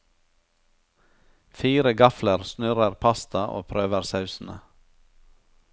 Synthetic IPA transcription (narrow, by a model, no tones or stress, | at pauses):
fiːɾəɡɑfləɾsnʉɾəɾpʰɑst̪ɑʔo̰ːpʰɾøːʋəɾsɑʉsn̩ə̰